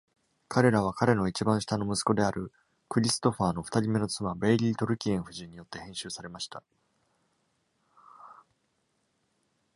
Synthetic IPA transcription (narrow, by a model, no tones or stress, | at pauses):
kaɾe̞ɾaβ̞akaɾe̞no̞it͡ɕibãɕi̥t̪ano̞mɯ̟sɨ̥ko̞d̪e̞aɾɯ̟ | kɯ̟ɾʲisɨ̥t̪o̞ɸaːno̞ɸɯ̟̥t̪aɾʲime̞no̞t͡sɨmabe̞ːɾʲiːt̪o̞ɾɯ̟kʲiẽɰ̃ɸɯ̟ʑĩɲ̟ːijo̞t̪ːe̞hẽ̞ɰ̃ɕɨːsaɾe̞maɕi̥t̪a